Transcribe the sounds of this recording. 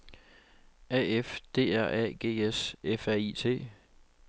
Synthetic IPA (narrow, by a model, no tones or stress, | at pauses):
ɛefd̥e̝̰ːæɐ̰ʔɛ̰ɡ̥e̝̰ːesefæɐit͡sʰe̝̰ː